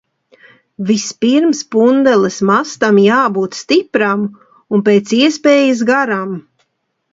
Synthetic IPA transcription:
vispiɾmspund̪ɛlˠɨsmast̪amjaːbuːt̪st̪ipɾam | unpeːt̪siɛspeːjɪs̬ɡaɾam

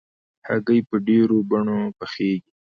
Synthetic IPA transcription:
ha̰ɡəjpəɖeɾobaɳopəxeːɡi

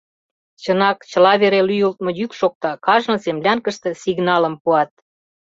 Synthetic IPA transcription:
t͡ɕənɑkt͡ɕə̆lɑβeɾelyjult̪̚mŏjykʃok̚t̪ɑkɑʒnɤ̆semlʲɑnkə̆ʃt̪ĕsiɣnɑlə̆mpuɑt̪̚

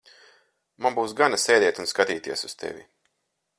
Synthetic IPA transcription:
manbuːsɡanaseːd̪ʲɛɛt̪unskat̪iːt̪iɛsust̪ʰɛ̰vʲḭ

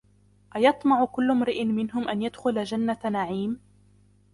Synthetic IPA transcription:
ʔajɑt̪ˤmɑʕʊkʊlːmɾɪʔɪnmɪnɦʊmʔanjad̪xʊlad͡ʒanːanaʕiːm

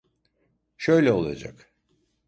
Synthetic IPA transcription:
ʃøjlʲɛo̞lˠa̰d͡ʒa̰k

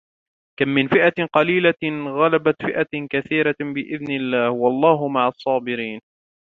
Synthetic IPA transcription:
kamːɪnfɪʔaqɑliːlaɣalabat̪fɪʔakaθiːɾabɪʔɪðnɪlːaːhwɑlˤːɑːɦʊmaʕɑsˤːɑːbɪɾiːn

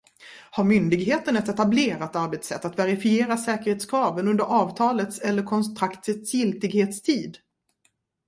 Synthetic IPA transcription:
haɾmʏnd̪ɪɡɦeːt̪ənɛt̪ɛt̪ableːɾat̪aɾbɛt̪sɛ̰t̪ːat̪vɛɾɪfɪeːɾasɛːkəɾheːt̪skʰɾɑːvənɵnd̪əɾɑːvt̪ʰɑːlət̪sɛlːəɾkʰɔnst̪ɾakt̪ət̪sjɪlt̪ɪɡheːt̪st̪ʰiːd̪

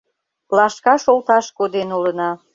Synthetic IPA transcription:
plɑʃkɑʃolt̪ɑʃkod̪enulə̆nɑ

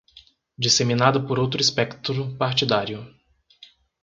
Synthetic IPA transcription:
d͡ʒiseminad̪ɐpoɾowt̪ɾʊispɛkt̪ɾʊpaɾt͡ʃid̪aɾjʊ

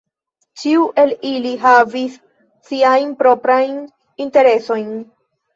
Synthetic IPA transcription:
t͡ʃiuʔe̞liliɦavisː | iajnpɾo̞pɾajn | inte̞ɾe̞so̞jn

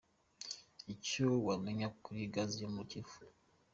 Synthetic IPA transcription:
icowameɲakuɾiɡazimucifu

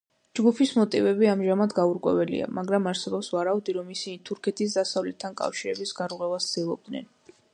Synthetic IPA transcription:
d͡ʒɡupʰismɔt̪ʼivɛbiamʒamad̪ɡauɾkʼwɛ̰vɛlḭa̰maɡɾamaɾsɛbɔpsvaɾaud̪iɾɔmisinit̪ʰuɾkʰɛt̪ʰisd̪asavlɛt̪ʰːankʼa̰fʃiɾɛbisɡaɾʁwɛvast̪sd̪̥ilˠɔb̚d̪nɛ̰n

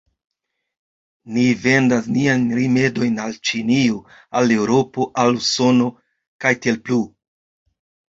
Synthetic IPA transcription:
nive̞ndasniajnɾime̞do̞jnalt͡ʃinio | ale̞wɾo̞po̞ʔaluso̞no̞ | kajtie̞lplu

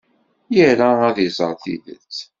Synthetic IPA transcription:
jəɾaæðizˤəɾˤθḭðə̰t͡sː

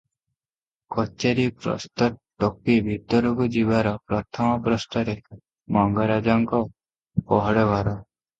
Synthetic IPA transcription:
kɔt͡ʃeɾipɾɔ̰st̪ɔʈːɔkibʱit̪ɔɾɔkud͡ʒibaɾɔpɾɔt̪ʰɔmɔpɾɔst̪ɔɾe | mɔŋɡɔɾad͡ʒɔŋkɔ | pɔɦɔɽɔɡʱaɾɔ

